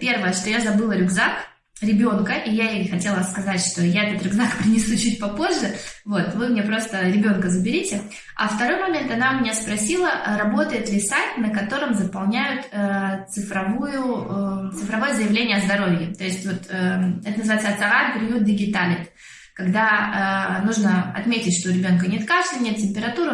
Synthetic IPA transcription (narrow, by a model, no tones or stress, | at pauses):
pʲe̞rvəjəʂt̪o̞jazɐbɨlˠəɾʲʊɡzak | ɾʲɪbʲo̞nkəʔijajejxɐtʲe̞lˠəskɐzatʲʂt̪o̞jaɛt̪ət̪ɾʲʊɡzakpɾʲɪnʲɪsut͡ɕut̚ʲpɐpo̞ʐːɨvo̞t̪vɨmnʲepɾost̪əɾʲɪbʲo̞nkəzəbʲɪɾʲitʲɪ | ɐ̰ft̪ɐɾo̞jmɐmʲe̞nt̪ɐnamʲɪnʲaspɾɐsʲilˠəɾɐbo̞t̪əjɪt̪lʲɪsajt̪nəkɐt̪o̞ɾɨmzəpɐlˠnʲæjʊt̪ət̪sɨfɾɐvujʊt̪sɨfɾɐvo̞jəzəjɪvlʲenʲɪjəɐzd̪ɐɾo̞vʲjɪt̪o̞ɪsʲtʲvo̞t̪əɛt̪ənzɨvajɪt̪sɐt̪sɐʁat̪pɾʲɪjut̪̚d̪ʲɪɡʲɪt̪alʲɪt̪ | kɐɡd̪aənuʐnəɐ̰t̪mʲetʲɪtʲʂt̪oɾʲɪbʲo̞nkənʲe̞t̪kaʂlʲɪnʲet̪̚tʲɪmʲpʲɪɾɐt̪uɾʊ